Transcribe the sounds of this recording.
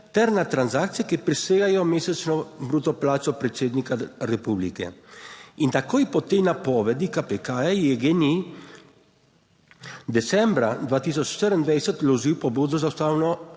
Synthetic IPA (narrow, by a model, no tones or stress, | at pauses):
t̪ɛɾnat̪ɾanzaːkt̪sijɛkipɾiseːɡajɔmeːsɛt͡ʃnɔbɾuːt̪ɔplaːtt͡ʃɔpɾɛt̪seːd̪nikaɾɛpublikɛ̰ | int̪akoːjpɔt̪enapɔːʋɛd̪ikapekajɛɡeni | d̪ɛt̪sɛmbɾad̪ʋaːt̪is̬ɔt͡ʃʃt̪əɾənd̪ʋɛjsɛt̪lɔʒiwpɔboːd̪ɔzawst̪aːwnɔ